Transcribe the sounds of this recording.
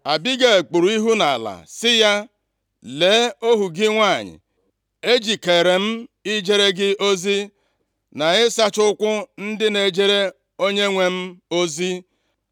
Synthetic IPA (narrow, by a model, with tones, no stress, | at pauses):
a˨bi˦ɡe˨e˨k͡pu˨ɾu˨˦i˦ɦu˦na˨a˨la̰˨sɪ˦ja˦ | le˨˦o˦ɦu˨ɡɪ˦ŋʷa˦˨ɲɪ̰˨ | e˦d͡ʒi˨ke˨ɾe˨m̩˦i˦d͡ʒe˦ɾe˦ɡɪ˦o˦zi˦ | na˨ɪ˦sa˦t͡ʃʊ˦kʷʊ˦n̩˦dɪ˦ne˨d͡ʒe˦ɾe˦ | o˦ɲe˦ŋʷe˦m̩˦o˦zi˦